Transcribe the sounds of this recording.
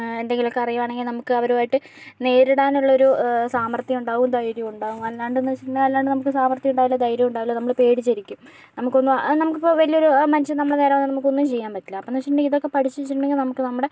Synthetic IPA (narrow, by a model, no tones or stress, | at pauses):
e̞nd̪e̞ŋɡilo̞kːe̞ɐrɐjuʋaːɳe̞ŋɡilnɐmukːɨɐʋɐɾuʋaːjiʈːɨ | ne̞ːɾiɽaːnuɭːɐoɾusaːmɐrt̪jɐmuɳɖaːɣumd̪ɐjɾjimuɳɖaːɣumɐlːaːɳɖɨnɐɕiʈːeɐlːaːɳɖɨnɐmukːɨsaːmɐrt̪jɐuɳɖaːjilːɐd̪ɐjɾjɐmuɳɖaːjilːonɐmːɐɭpe̞ːɽit͡ɕːɐɾikʲːum | nɐmukːo̞nːumnɐmukːipːoʋɐlijo̞ɾumɐniɕɐnɐmːɐɭeneːɾɐʋanːɐnɐmukːo̞nːumt͡ɕe̞jːaːmpɐtːilːɐɐpːoːnɐɕiʈnːeiðo̞kːe̞pɐʈʰit͡ɕːuʋit͡ɕːiʈːuɳɖe̞ŋɡilnɐmukːɨnɐmːɐɽe̞